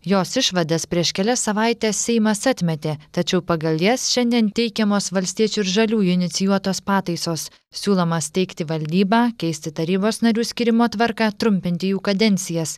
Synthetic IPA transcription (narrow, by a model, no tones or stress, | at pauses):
joːsɪʃʋɐd̪ɐspʲɾʲiɛʃkʲɛlʲɛsɐʋɑˑɪt̪ʲeːsʲsʲɛɪmɐsɐt̪ʲmʲɛt̪ʲeːt̪ɐt͡ʃʲɛʊpɐɡɐlˠjɛsʃʲɛnʲd̪ʲiɛnt̪ʲɛɪkʲɛmoːsʋɐlʲsʲt̪ʲiɛt͡ʃʲuːɪɾʒɐlʲuːɪnʲɪt̪sʲɪjuɔt̪oːspɑːt̪ɐɪsoːs | sʲuːlˠoːmɐst̪ʲɛɪkt̪ʲɪʋɐlʲd̪ʲiːbɑːkʲɛɪsʲt̪ʲɪt̪ɐɾʲiːboːsnɐɾʲuːsʲkʲiːɾʲɪmoːt̪ʋɐɾkɑːt̪ɾʊmʲpʲɪnʲt̪ʲɪjuːkɐd̪ʲɛnʲt̪sʲɪjɛs